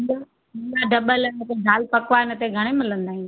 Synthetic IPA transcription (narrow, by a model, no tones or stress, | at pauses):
ɡa | ɦɪ̃nɡ̪aɖɐɓəlɪnət̪eɖʱaːlpɐkʋaɪnət̪eɡʱɐɽ̃emɪlə̃nd̪aːɦĩn